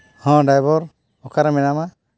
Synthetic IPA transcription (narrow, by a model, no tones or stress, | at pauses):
hɔ̃ɖajbɔɾ | ɔkaɾamɛnama